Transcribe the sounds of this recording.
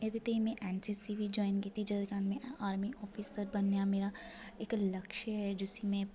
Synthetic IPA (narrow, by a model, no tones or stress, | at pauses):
ed̪et̪eĩmɛ̃ʔɛːnt͡ʃisibʱid͡ʒɔːɪnkiːt̪id͡ʒɐd̪ɪkaːnmɛ̃aːɾmiʔɔːfʰiːsəɾbɐnːjameːɾaɪklɐkʃəɦɛd͡ʒʊsimɛ̃